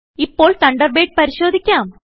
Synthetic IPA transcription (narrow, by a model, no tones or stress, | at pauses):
ipːo̞ːɭt̪ɐɳɖɐrbeːʈ̚pɐɾiɕo̞ːd̪ʱikʲːaːm